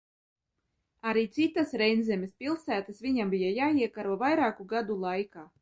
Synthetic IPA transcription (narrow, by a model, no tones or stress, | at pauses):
aɾiːt̪sit̪asɾɛjnzʲɛmʲɛspʲilˠsæːt̪asvʲiɲambʲijajaːiɛkaɾvavajɾaːkuɡad̪ulˠajkaː